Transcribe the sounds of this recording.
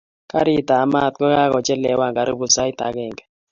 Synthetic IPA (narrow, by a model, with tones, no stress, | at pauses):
ka˦ɾi˦˨ta˨˦ma˦˨t̪̚kɔ˦ka˦kɔ˨t͡ʃɛ˦lɛ˨wa˦˨ŋɡa˨ɾi˦bu˨sa˦ɪ˦t̪a̰˨˦ɡɛ˨ŋɡɛ˨